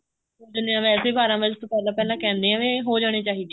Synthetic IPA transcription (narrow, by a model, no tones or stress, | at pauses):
oːd̪ɪneːãːʋɛːseːbʱaːɾãːmʋəd͡ʒt̪õːpɛːlãːpɛːlãːkɛ̃ːnd̪eːãːʋeːɦoːd͡ʒaːɽ̃eːt͡ʃaːɦiːd̪e